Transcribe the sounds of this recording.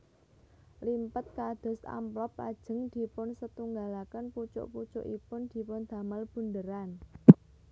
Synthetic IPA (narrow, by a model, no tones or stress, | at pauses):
limpət̪̚kad̪̥ɔ̤sa̰mplɔpa̰d̥ʒ̥ə̤ŋd̪̥i̤pʊnsət̪uŋɡalakənput͡ʃʊ̰ʔput͡ʃʊ̰ʔipʊnd̪̥i̤pʊnd̪̥a̤malb̥ṳnd̪əɾan